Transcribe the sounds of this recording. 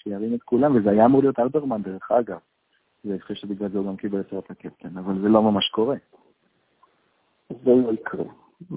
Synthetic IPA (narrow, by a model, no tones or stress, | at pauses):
ʃjaʁimet̪kulamvezeajaːmuʁlijo̞t̪albeʁmand̪eʁeχaɡav | zeiχeʃebiɡlazeuɡamkibeljot͡seʁat̪aketkʰenavalzelo̞mamaʃko̞ʁe | zeloikʰʁḛ